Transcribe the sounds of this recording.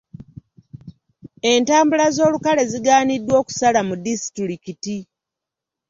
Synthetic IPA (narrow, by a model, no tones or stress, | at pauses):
e̞ntaːmbulazo̞ːlukale̞ziɡaːnidːwo̞ːku̥salamudisi̥tiɾikiti